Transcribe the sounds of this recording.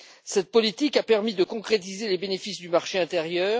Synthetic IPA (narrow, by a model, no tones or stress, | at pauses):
sɛt̪̚pɔlit̪ikapɛʁmid̪əkɔ̃kχet̪̬izelebenefisd̪ymaʁʃeɛ̃t̪eʁjœːʁ